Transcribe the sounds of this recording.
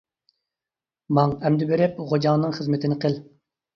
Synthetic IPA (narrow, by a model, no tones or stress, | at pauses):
mɑŋɛmd̪ɪbeɾɪp̚ʁod͡ʒɑːnɨŋχəzmɪt̪ʰɪnɪqəl